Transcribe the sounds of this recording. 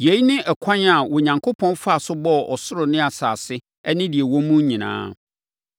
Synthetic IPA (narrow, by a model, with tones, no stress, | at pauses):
je˨˦i˦nɪ̃˦ʔɛ˨kʷʰã˦n˦a˨wɔ˨ɲã˨ŋkʰo˦pʰɔ̃˦nfa˨sʊ˦bɔ˦ɔ˨sʊ˦ɾʊ˨nɪ̃˦a˨saː˨sɪ˦ | ɛ˦nɪ̃˦di˨e˨wɔ̃˦mũ˦ɲĩ˨nã̰ː˦